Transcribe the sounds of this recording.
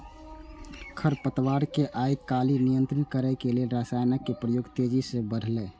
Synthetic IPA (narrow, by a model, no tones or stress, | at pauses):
kʰəɾpət̪ʋaɾkeʔajkalinijənt̪ɾinkəɾɛkelelɾasajnəkːepɾəjoɡt̪ed͡ʒisẽbəɽ̤ʱlɛ